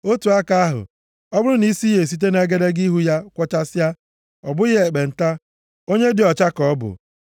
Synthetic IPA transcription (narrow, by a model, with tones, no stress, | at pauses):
o˦tu˨a˦ka˦a˦ɦʊ̰˨ | ɔ˦bʊ˦ɾʊ˦ni˦si˦je˨s̬i˦t̬e˦ne˦ɡe˦de˦ɡi˦ɦu˦ja˦kʷɔ˦t͡ʃa˦sa˦ | ɔ̰˨bʊ˦e˨ɡ͡be˨n̩˨ta˦ | o˦ɲe˦dɪ˨ɔ˨t͡ʃa˦kɔ˦bʊ̰˨